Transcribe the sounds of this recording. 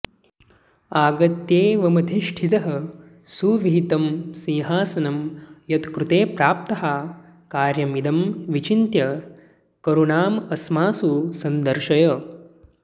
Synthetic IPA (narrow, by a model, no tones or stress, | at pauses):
aːɡɐt̪jeːʋɐmɐd̪ʱiʂʈʰit̪ɐɦɐ | suːʋit̪ɐmsĩːɦaːsɐnɐmjɐt̪kɾut̪eːpɾaːp̚t̪ɐɦa | kaːɾjɐmid̪ɐmʋit͡ʃint̪jɐ | kɐɾuɳaːmɐsmaːsusɐnd̪ɐɾʃɐjɐː